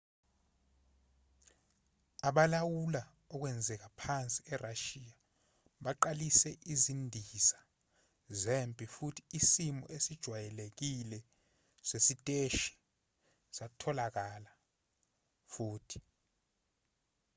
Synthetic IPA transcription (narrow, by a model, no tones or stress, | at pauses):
aɓalawula | ɔk̬wɛnd͡zʱɛk̬apʰant͡sʼiɛraʃiːja | ɓaǃalisɛʔizindʱisḁ | zempʼifutʰi̥isimɔ̰ʔesid̥ʒ̥ʱwajɛlek̬ilɛ | sesitʼeʃi̥ | satʰɔlak̬ala | fuːtʰi̥